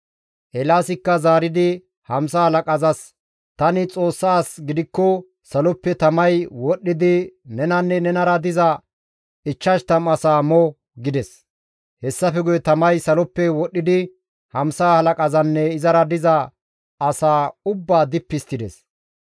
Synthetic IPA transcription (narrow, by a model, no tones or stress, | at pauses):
ʔɛlaːsɪkːɐzaːɾɪd̪ɪ | hɐmsaːhɐlɐkʼɐzɐs | t̪ɐnɪt͡sʼo̞ːsːaːsɡɪd̪ɪkːɔ | sɐlɔpːɛt̪ɐmɐjwɔɗːɪd̪ɪnɛnɐnːɛnɛnɐɾɐd̪ɪzɐ | ɪt͡ʃːɐʃt̪ɐmɐsaːmɔ | ɡɪd̪ɛs | hɛsːɐfɛɡʊjɛt̪ɐmɐjsɐlɔpːɛwɔɗːɪd̪ɪ | hɐmsaːhɐlɐkʼɐzɐnːɛɪzɐɾɐd̪ɪzɐ | ɐsaːʊbːaːd̪ɪpːɪst̪ːɪd̪ɛs